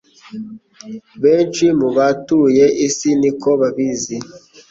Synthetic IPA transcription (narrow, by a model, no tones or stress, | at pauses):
bent͡ʃimuβatujeʔisinikoβabizi